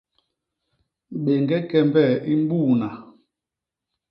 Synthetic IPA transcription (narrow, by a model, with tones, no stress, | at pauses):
ɓe˨ŋɡɛ˦kɛ˦mbɛ˦˨i˦m˦bu˦˨na˨